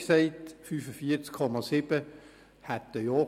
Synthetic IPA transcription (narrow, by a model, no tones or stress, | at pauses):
sɛɪt̪fyːfəfiːt͡skʰɔmɑsib̥ə | hat̪̚dəjɔː